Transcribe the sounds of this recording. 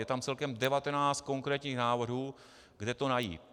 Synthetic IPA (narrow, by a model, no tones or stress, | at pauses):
jɛt̪amt͡sɛlkɛmdɛvat̪ɛnaːt͡st̪̚ko̞ŋkɾɛːt̪ɲiːxnaːvr̩ɦuː | ɡdɛt̪o̞najḭː